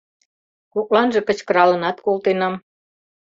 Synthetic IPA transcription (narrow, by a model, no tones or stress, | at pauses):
kok̚lɑnʒĕkət͡ɕkəɾɑlənɑt̪kolt̪enɑm